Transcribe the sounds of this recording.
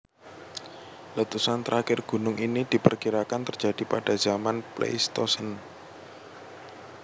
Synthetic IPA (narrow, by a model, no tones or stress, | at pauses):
lət̪usant̪ɾʔakɪrɡ̥ṳnʊŋʔinid̥i̤pərkiɾakant̪ərd͡ʒ̥ad̥i̤paɖ̥a̤z̥amanplḛjst̪ɔsən